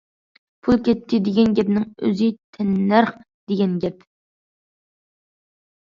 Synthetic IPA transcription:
pʰulˠkʲɛt̪ʰːɪd̪ɪɡʲɛnɡʲɛpnɪŋø̰zɪt̪ʰɛnːæɾχ | d̪̥eɡʲɛnɡʲɛp

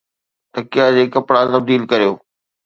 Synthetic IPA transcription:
t̪ɐkijad͡ʑeːkɐpɽat̪ɐbd̪iːlkɐɾijoː

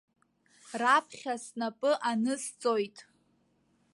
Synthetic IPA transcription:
rapʰχʲasnapʼɨʔanɨst͡sʼo̞jtʼ

